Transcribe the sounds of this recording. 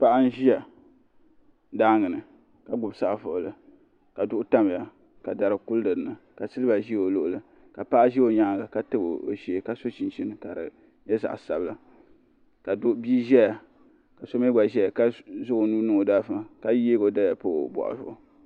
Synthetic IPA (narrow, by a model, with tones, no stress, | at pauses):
pa˦ʔa˦n̩˦ʒi˦ja˨ | daː˦ŋɨ˨nɨ˨ | ka˨ɡ͡bʊ˨bsa˦˨fʊ˨ʔlɨ˨ | ka˨dʊ˦ʔʊ˦ta˦m˨ja˨ | ka˨da˨ɾɨ˨ku˦ldɨ˨ɾɨ˨nɨ˨ka˨sɨ˦lɨ˦ba˨ʒi˦o˨lo˦ʔʊ˨lɨ˨ | ka˨pa˦ʔa˦ʒi˦o˨ɲa˦ɡa˨ka˦tɨ˦bo˨o˨ʒi˨ka˦so˦t͡ʃi˨nt͡ʃi˦nɨ˨ka˨ɾɨ̰˨ | jɛ˦za̰˨ʔsa̰˨bɨ˦la˨ | ka˨dʊ˦ʔbiː˦ʒɛ˦ja˨ | ka˨so˦mɛ˦ɡa˨ʒɛ˦a˨ka˦zʊ˦o˨nuː˦nɨ˦o˨da˦fɨ˨ka˦jeː˦ɡo˨da˦˨a˨po̰˦˨bɔ̰˨ʔa̰˨zʊ˦ʔʊ˨